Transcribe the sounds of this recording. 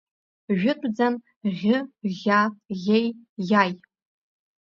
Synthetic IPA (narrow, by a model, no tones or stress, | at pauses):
ʒᶣʊtʷʼd͡zan | ʁʲɪʁʲaɣʲejjaj